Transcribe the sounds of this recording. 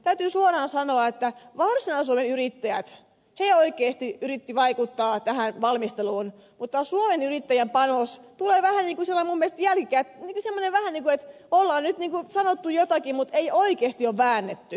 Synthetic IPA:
t̪æyt̪yːsuorɑːnsɑnoɑet̪ːæʋɑrsinɑsuomenyrit̪ːæjæt̪ | heoikˑeːst̪iyrit̪ːiʋɑikut̪ːɑːt̪æhænʋɑlmist̪eluːn | mut̪ːɑsuomenyrit̪ːæjæmpɑnost̪uleːʋæhæniːŋkusilːɑimumːiest̪jælkikæt̪niːŋkusemːoneʋʋæhæniːŋkuet̪ | olːɑːnnyt̪niːŋkusɑnot̪ːujot̪ɑkimmut̪eioikeːst̪ioʋʋæːnːet̪ːy

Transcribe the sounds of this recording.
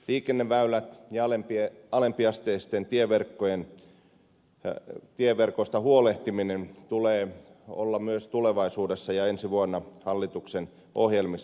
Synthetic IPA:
liːkenːeʋʋæylæt̪jɑɑlempieɑlempiɑst̪eːst̪ent̪ieʋerkːojen | t̪ieʋerkost̪ɑhuoleht̪iminent̪uleːo̰lːɑmyøst̪uleʋɑisuːdesːɑjɑensiʋuonːɑhɑlːit̪uksen | ʔohjelmis

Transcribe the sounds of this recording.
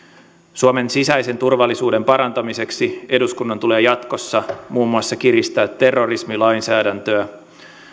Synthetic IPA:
suome̞nsisæjse̞nt̪urʋɑlːisuːde̞mpɑɾɑnt̪ɑmise̞ksie̞duskunːɑnt̪ule̞ːjɑt̪ko̞sːɑmuːmːuɑsːɑkiɾist̪æːt̪ːe̞rːo̞rismilɑjnsæːdænt̪øæ

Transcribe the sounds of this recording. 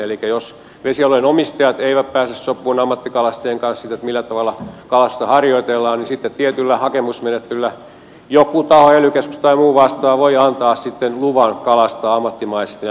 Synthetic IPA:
elikːˑæjos | ʋesiɑloinomist̪ɑjɑt̪eiʋæppæːsessopːˑuːnɑmːɑt̪ːikɑlɑst̪eːŋkɑnssit̪ːet̪milːæt̪ɑʋɑlːˑɑkɑlɑst̪ɑhɑrjoit̪elːɑːnnisit̪ːet̪t̪iet̪ylːæhɑkemusmenet̪ːeylːæ | jokut̪ɑhoelykæskst̪ɑimuːʋɑst̪ɑːʋoiɑnt̪ɑːssit̪ːenluʋɑnkɑlɑst̪ɑɑmːɑt̪ːimɑist̪

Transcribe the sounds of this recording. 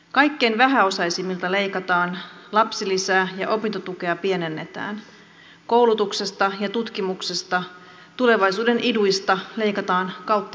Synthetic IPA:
kɑjkːe̞jnʋæɦæo̞sɑisimːilt̪ɑle̞jkɑt̪ɑːnlɑpsilisæːjɑʔo̞pint̪ot̪uk̟e̞ɑpie̞ne̞nːe̞t̪æ̰ːn | ko̞wlut̪ukse̞st̪ɑjɑt̪ut̪k̟imukse̞st̪ɑ | t̪ule̞ʋɑjsuːde̞nʔiduist̪ɑle̞jkɑt̪ɑːnkɑwt̪ːɑ

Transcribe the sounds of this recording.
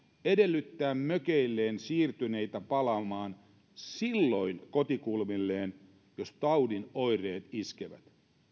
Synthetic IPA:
ede̞lːyt̪ːæːmmøkeilːeːnsiːrt̪yne̞it̪æpɑlɑmɑːn | silːo̞jnko̞t̪ikulmilːeːn | jost̪ɑwdinojre̞ːt̪iskeʋæ̰t̪

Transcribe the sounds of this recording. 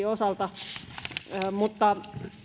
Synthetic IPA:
iosɑlt̪ɑ | mut̪ːɑ

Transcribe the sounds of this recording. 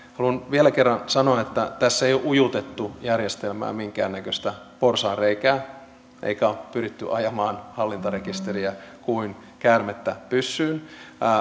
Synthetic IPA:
hɑluɑnʋielækerːɑnsɑnoɑet̪ːæt̪æsːeijoʔujut̪et̪ːujærjest̪elmæ̰ːmiŋkæːnːækøst̪æ | porsɑːreikæː | ʔḛikæopyrit̪ːyʔɑjɑmɑːnhɑlːint̪ɑɾekist̪eɾiækuin | kæːrmet̪ːæpysːyːn

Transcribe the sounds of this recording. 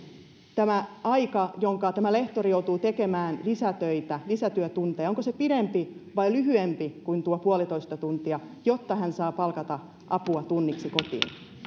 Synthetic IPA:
t̪æmæɑikɑjoŋkɑt̪æmæle̞ht̪oɾijout̪uːt̪eke̞mæːnlisæt̪øit̪ælisæt̪yøt̪unt̪eːo̞ŋkosepiɾempiʋɑilyɦyempikuint̪uopuolit̪o̞ist̪ɑt̪unt̪iɑjot̪ːɑɦænsɑːpɑlkɑt̪ɑ | ʔɑpuɑt̪unːiksiko̞t̪ḭːn

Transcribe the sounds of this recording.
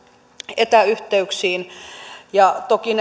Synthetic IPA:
et̪æyht̪eyksiːnjɑt̪okin

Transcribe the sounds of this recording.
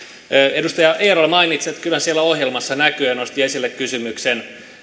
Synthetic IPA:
edust̪ɑjɑʔeːrolmɑinit̪set̪kylːænsielːæohjelmɑsːɑnækyenost̪iesilːekkysymyksen

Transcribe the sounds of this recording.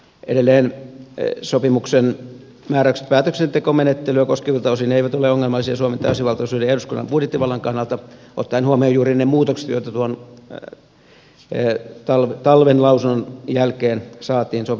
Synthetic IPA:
ʔḛɾelːeːn | sopimuksen | mæːræykse̥t̪pæːt̪øksent̪ekomenet̪ːelyækoskeʋilt̪ɑosineeiʋæt̪oleoŋːelmɑlːˑisiɑsuɑment̪ɑysiʋɑlt̪ɑusuːdeehduskunːɑ̰mpudjet̪ːiʋɑlːɑŋkɑnːɑlt̪ɑo̰t̪ːɑinhuomiojuːrinemuːt̪okse̥t̪jo̰it̪ɑt̪uon | t̪ɑlʋt̪ɑlʋenlɑusunːonjælkeːnsɑːt̪iːnsop

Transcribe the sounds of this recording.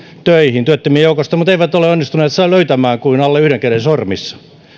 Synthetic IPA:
t̪øihint̪yøt̪ːømiejoukost̪ɑmut̪eiʋæt̪oleonːist̪uneːt̪sɑiløyt̪æmæːŋkuinɑlːeyhɾeŋkerensormisːɑ̥

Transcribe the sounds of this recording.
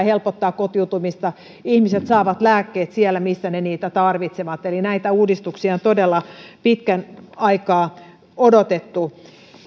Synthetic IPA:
helpot̪ːɑːkkot̪iut̪umist̪ɑ | ihmiset̪sɑːʋɑt̪læːkːeːt̪sielːæmisːæneniːt̪æt̪ɑrʋit̪seʋɑt̪elinæit̪æuːdist̪uksiɑont̪odelːɑpit̪kænɑikɑː | odot̪et̪ːu

